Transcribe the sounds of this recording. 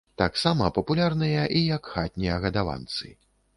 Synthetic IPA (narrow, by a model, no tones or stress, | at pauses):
t̪aksamɐpɐpulʲarnɨjɐʔijɐkxat̪̚ʲnʲijɐɣɐd̪ava̰nt̪sɨ̰